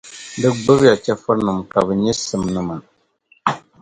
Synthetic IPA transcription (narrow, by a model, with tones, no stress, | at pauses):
dɨ˦ɡ͡bʊ˦bja˨t͡ʃɛ˦fɨ˦nɨ˨mka˨bɛ˨ɲɛ˦sɨ˨mnɨ˦ma˨